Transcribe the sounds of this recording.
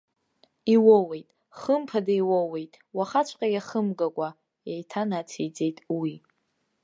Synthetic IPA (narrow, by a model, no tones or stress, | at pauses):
iwowejtʼ | χəmpʰadaiwowe̞jtʼ | waχat͡ʃʷʰʼqʲʼajʲaχəmɡakʷʼa | jajtʰanat͡sʰejd͡ze̞jtʼwi